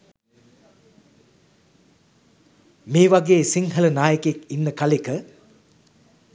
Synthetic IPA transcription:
meːʋaɡeːsiŋɦələnaːjəkekinːəkalekə

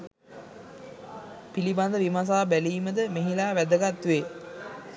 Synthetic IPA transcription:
piliband̪əʋimas̬aːbæliːməd̪əmeɦilaːʋæd̪əɡat̪ʋe

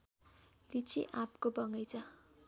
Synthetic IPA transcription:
rit͡sʰḭʔapkobʌŋʌjt͡sʰʌ

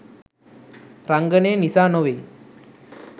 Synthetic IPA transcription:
ɾaŋɡəneːnisanoʋe

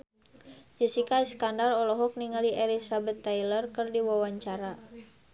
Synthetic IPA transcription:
d͡ʒəsikaiskandarɔlɔɦɔk̚niŋaliʔɛlisabət̪ːajlərkərdiwawaɲt͡ʃaɾa

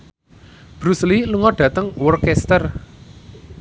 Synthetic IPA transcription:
b̥ɾusliluŋɔɖ̥ä̤t̪əŋwɔrkɛst̪ər

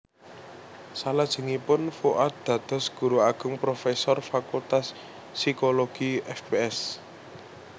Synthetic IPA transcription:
salad̥ʒ̥ə̤ŋipʊnfuʔat̪̚d̪̥ä̤d̪̥ɔ̤sɡ̥ṳɾuaɡ̥ʊ̤ŋpɾofesɔrfakult̪asː | ikoloɡ̥iɛfbeɛs

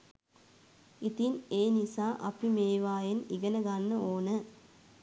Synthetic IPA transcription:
it̪ineːnisaːʔɐpimeːʋaːjeniɡənəɡanːəoːnə

